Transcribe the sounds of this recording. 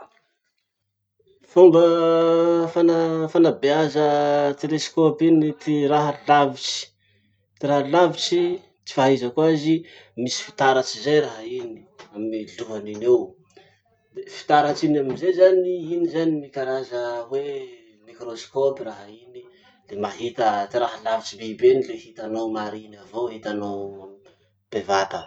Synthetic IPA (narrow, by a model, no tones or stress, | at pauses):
fumbə | fanafanabeazət̪eleskopinit̪iraɦalavit͡ʃi̥ | t̪iɾaɦalavit͡ʃi | t͡ʃi̥faɦizəkuazi | misi̥fi̥t̪aɾat͡ʃizajɾaɦaini̥aminiluɦaninew | d̪efi̥t̪aɾat͡ʃinaminzezaniinizanimikaɾazəwe | mikɾoskopiraɦaini | lemaɦit̪ət̪iɾaɦalavit͡ʃibebenilehit̪anowmaɾinavoɦit̪anow | b̥evat̪ə